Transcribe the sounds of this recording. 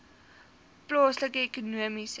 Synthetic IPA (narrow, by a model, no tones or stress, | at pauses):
plɑːsləkəekonuəmis